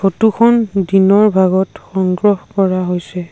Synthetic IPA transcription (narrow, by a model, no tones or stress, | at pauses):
fʰotukʰɔndinɔɹbʱaɡɔtxɔŋɡɹɔhkɔɹaɦojsɛ